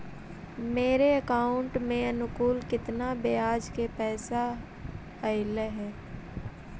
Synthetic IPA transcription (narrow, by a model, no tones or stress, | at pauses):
meːɾeəkaːʊɳʈmẽɐnʊkuːlkɪt̪nabeaːd͡ʒkepɛːsa | əɪleɦɛː